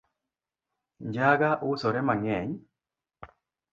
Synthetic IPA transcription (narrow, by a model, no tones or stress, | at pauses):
ɲd͡ʒaɡaʔusoɾɛmaŋɛɲ